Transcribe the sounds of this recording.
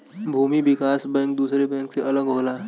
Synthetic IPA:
bʱuːmiʋɪkaːsbɛ̃ːŋk̚d̪uːsɾebɛ̃ːŋkseʔɐləɡɦoːlaɦ

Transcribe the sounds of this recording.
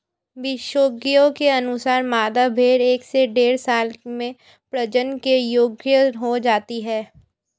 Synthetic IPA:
ʋɪʃoːɡijõkeɐnʊsaːɾmaːd̪abʱeːɾeːkseɖeːɾsaːlmẽ | pɾɐd͡ʒənkejoːɡjəɦod͡ʒaːt̪iɦɛː

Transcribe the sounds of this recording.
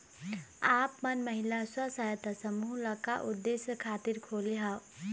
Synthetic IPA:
aːpmɐnməɦilaswɐsajət̪asɐmuːɦlɐkaʔud̪ːesjəkʰaːt̪iɾkʰoːliɦa

